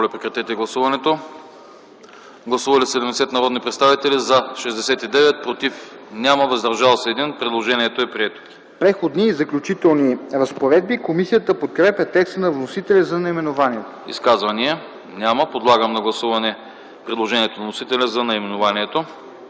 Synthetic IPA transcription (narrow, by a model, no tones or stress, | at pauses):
mɔlɛpɾɛkɾɐt̪ɛt̪ɛɡlˠɐsuvɐnɛt̪o | ɡlˠɐsuvɐlisɛd̪ɛmd̪ɛsɛt̪nɐɾɔd̪nipɾɛt̪st̪avit̪ɛlizɐʃɛzd̪ɛsɛt̪id̪ɛvɛt̪̚pɾot̪ifnʲaməvɐzd̪ɐɾʒalˠsɛːd̪inpɾɛd̪lˠoʒɛniɛt̪oɛpɾiɛt̪o̥ | pɾɛxod̪niːzɐklʲʊt͡ʃit̪ɛlˠniɾɐspoɾɛd̪̚bikomisijət̪əpot̪̚kɾɛpʲjət̪ɛkst̪nɐvnosit̪ɛlʲɛzɐnɐimɛnovaniɛt̪o̥ḭskazvɐniɛ | nʲaməpod̪lˠaɡəmnɐɡlˠɐsuvɐnɛ | pɾɛd̪lˠoʒɛnʲiɛt̪onɐvnosit̪ɛlʲɛzɐnɐimɛnovaniɛt̪o